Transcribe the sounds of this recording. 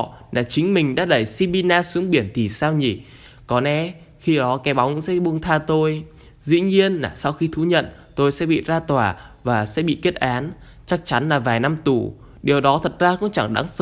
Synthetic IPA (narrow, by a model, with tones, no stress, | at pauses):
nʔaː˨˩t͡ɕï˨˦ŋ̟mï˨˩ŋ̟ɗa̰ː˧˥ɗə˧˩jsi˧ɓi˧naː˧sɨ˨˦ŋɓi˧˩ənt̪ʰi˨˩saː˧wɲi˧˩ | kɔ˨˦nʔɛ˨˦ | xi˧ɗɔ˨˦kɛ˨˦ɓa˨˦wŋ͡mkʊ̰˧˥ŋsɛ̰˧˥˨ɓu˧əŋt̪ʰaː˧t̪o˧j | zḭ˧˥ɲi˧ənlaː˨˩sa˧wxi˧t̪ʰu˨˦ɲə̰˧˨n | t̪o˧jsɛ̰˧˥ɓḭ˧˨zaː˧t̪waː˧˩vaː˨˩sɛ̰˧˥ɓḭ˧˨ke˦˥t̚ʔaː˨˦n | t͡ɕa˦˥k̚t͡ɕa˨˦nlaː˨˩vaː˨˩jna˧mt̪u˧˩ | ɗi˨˩əwɗɔ˨˦t̪ʰə˨˩t̚zaː˧kʊ̰˧˥ŋ͡mt͡ɕa˧˩ŋɗa̰˨˦ŋsə˨˦